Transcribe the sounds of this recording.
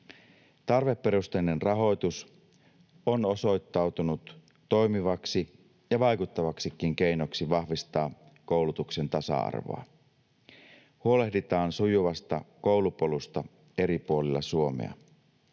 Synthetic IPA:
t̪ɑrʋe̞pːeɾust̪einenrɑɦo̞jt̪us | ono̞so̞jt̪ːɑwt̪unut̪ː | o̞jmiʋɑksi | jɑʋɑjkut̪ːɑʋɑksik̟ːiŋke̞jno̞ksiʋɑhʋist̪ɑː | ko̞wlut̪ukse̞nt̪ɑsɑ̰ɑ̰rʋo̰ɑ̰ | huo̞le̞hdit̪ɑːnsujuʋɑst̪ɑkowlupo̞lust̪ɑ | e̞ɾipuo̞lilːɑ̰suo̞mḛɑ̰

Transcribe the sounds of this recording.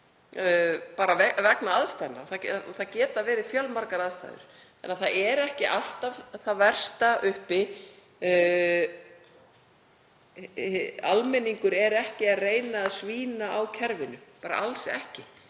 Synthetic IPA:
paːɾavɛvɛknaaðst̪ajnːa̰θaθacɛːt̪avɛːɾɪðfjœlmaɾkaɾaðst̪a̰jðʏ̰ɾ̥ | ɛnːaθaɛɾɛhcɪʔal̥t̪avθaðvɛr̥st̪aʔʏhpɪ | almɛniŋkʏɾɛɾɛhcɪaðreːjnaːðsviːnaawcʰɛɾvɪnʏpaːɾa̰ʔalsɛ̰hcɪ

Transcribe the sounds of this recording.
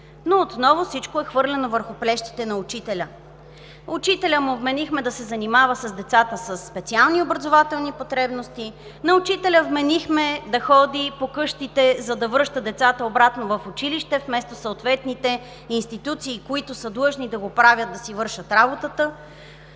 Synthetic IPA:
noot̪nɔvofsit͡ʃkoɛxvɤɾlʲɛnovəɾxʊplɛʃt̪i̥t̪ɛnɐʊt͡ʃit̪ɛlʲə | ʊt͡ʃit̪ɛlʲəmʊbmɛnixmɛd̪ɐsɛzɐnimavəsɐzd̪ɛt̪sat̪əsəsːpɛt̪sialˠniobɾɐzovat̪ɛlˠnipot̪ɾɛbnost̪i | nɐʊt͡ʃit̪ɛlʲəvmɛnixmɛd̪ɐxɔd̪ipokɤʃt̪it̪ɛzɐd̪ɐvɤɾʃt̪əd̪ɛt̪sat̪əobɾat̪novɐfʊt͡ʃiliʃt̪ɛfmɛst̪osoːt̪vɛt̪nit̪ɛ | inst̪it̪ut̪siːkoit̪ʊsəd̪lˠɤʒnid̪ɐɡopɾavʲjət̪d̪ɐsivɤɾʃət̪ɾabot̪ət̪ə

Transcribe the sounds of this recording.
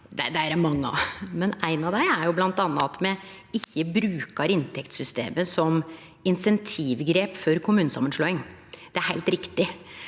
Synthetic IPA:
d̪ɛd̪æɾæmɑŋːəɑ̰mɛnæɪnɑʋd̪æɪæɾjʊblɑnt̪ɑnːɑt̪mɛ | ɪçːəbɾʉːkɑɾɪnt̪ʰɛkt̪sʏst̪ḛːməsɔm | ɪnsɛnt̪ʰiːʋɡɾeːpfɔɾkʰʊmʉːnəsɑ̰mːənʂɭoːɪŋd̪̥ɛæɾhæɪlt̪ɾɪkt̪ɪ

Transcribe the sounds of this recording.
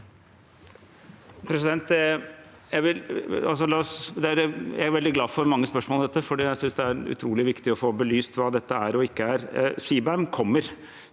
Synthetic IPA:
pʰɾɛsɪd̪ɛnt̪ | jæɪʋɪlɑls̬ɔlɑːɔsd̪ɛæɾjæ̰æɾʋɛld̪ɪɡlɑːfɔɾmɑŋːəspœʂmoːd̪ɛt̪ːəfɔɖiːjæɪsʏnsd̪ɛæɾʉ̰t̪ʰɾuːlɪʋɪkt̪ɪɔfoːbəlyːst̪ʋɑːd̪ɛt̪ːəæɾɔɪkːəæɾsiːbæmkʰɔmːəɾ

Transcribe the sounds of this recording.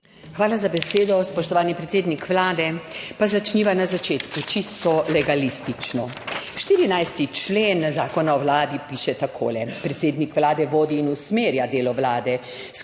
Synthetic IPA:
xʋaːlazabɛseːd̪ɔspɔʃt̪ɔʋaːlnipɾɛt̪seːd̪nikʋlaːd̪ɛpazat͡ʃniːʋanazat͡ʃeːt̪kut͡ʃist̪ɔlɛɡalist̪it͡ʃnɔ | ʃt̪iːɾinajst̪it͡ʃleːnzaːkɔnaɔwlaːd̪ipiːʃɛt̪akʰo̰ːlɛpɾɛt̪seːd̪nikʋlaːd̪ɛʋoːd̪iːnusmeːɾjad̪eːlɔʋlaːd̪ɛ | s

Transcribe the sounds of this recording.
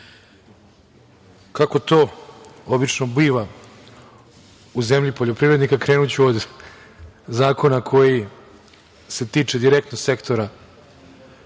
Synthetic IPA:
kako̞t̪oːo̞bit͡ʂno̞biːʋa | uze̞mʎipo̞ʎo̞pɾivɾed̪nikakɾeːnut͡ɕuod̪ | zaːko̞nakʰo̞ji | se̞t̪iːt͡ʂe̞d̪iɾe̞k̚t̪nose̞kt̪o̞ɾa

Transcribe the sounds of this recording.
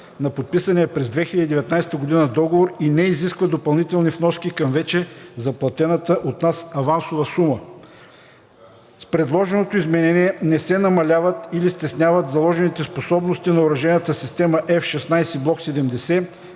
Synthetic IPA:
nɐpot̪̚pisɐnɛɛpɾɛzd̪vɛxilʲəd̪id̪ɛvɛt̪najsɛ̥t̪əɡod̪inəd̪ɔɡovoɾinɛiziskvəd̪opɐlˠnit̪ɛlˠnifnɔskikɐmvɛt͡ʃɛzɐplˠɐt̪ɛnət̪əʔot̪nasɐvansovəsumə | spɾɛd̪lˠɔʒɛnot̪oizmɛnɛniɛnɛsɛnɐmɐlʲavət̪ilist̪ɛsnʲavət̪zɐlˠɔʒɛnit̪ɛsposɔbnost̪inɐoɾɐʒɛnət̪əsist̪ɛməʔɛfʃɛsnajsɛblˠɔksɛd̪ɛmd̪ɛsɛ

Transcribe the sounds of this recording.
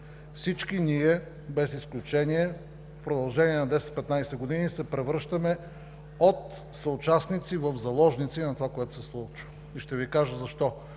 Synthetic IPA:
fsit͡ʃkiniɛ | bɛsisklʲut͡ʃɛniɛ | fpɾod̪ɐlˠʒɛniɛnɐd̪ɛsɛt̪̚pɛt̪najsɛɡod̪inisɛpɾɛvɾɤʃt̪əmɛ | ot̪̚ | sɐʊt͡ʃasnit̪sivəvzɐlˠɔʒnit̪sinɐt̪ovakoɛt̪ʊ̥sɛslˠut͡ʃvə | iʃt̪ɛvikaʒəzɐʃt̪ɔ

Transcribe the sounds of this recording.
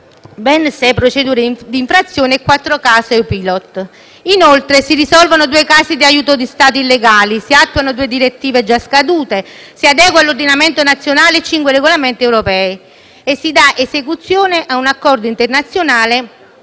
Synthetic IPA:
bɛnsɛpɾot͡ʃed̪uːɾed̪iːɱfɾat̪sːjoːneːkːwat̪ːɾokaːseupilɔt̪ː | inolt̪ɾesirisɔlvanod̪uːekaːsid̪iajuːt̪od̪ist̪aːt̪ilːeɡaːlisiat̪ːuanod̪uːed̪iɾet̪ːiːved͡ʒaskad̪uːt̪esiad̪ɛːɡwalːord̪inament̪onat̪sːjonaːleːt͡ʃːiŋkwereɡolament̪iɛwɾopɛːi | esːid̪aʔesekut̪sːjoːneʔaunakːɔrd̪oint̪ernat̪sːjonaːle

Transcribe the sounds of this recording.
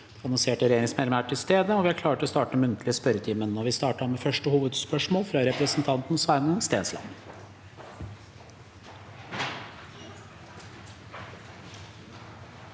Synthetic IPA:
d̪̥ɛɑnɔnseːʈəɾɛjeːɾɪŋsmɛlmæʈʰːɪlst̪eːd̪əɔʋɪhæɾkʰlɑːʈəɔst̪ɑːʈəmʉnt̪ʰəlɪəspœɾət̪ʰiːmənːɔʋɪst̪ɑːʈɑmefœʂʈəhuːʋəd̪spœʂmoːlfɾɑɾɛpɾəsnt̪ʰɑnt̪nsʋæɾmənst̪eːnslɑ̰n

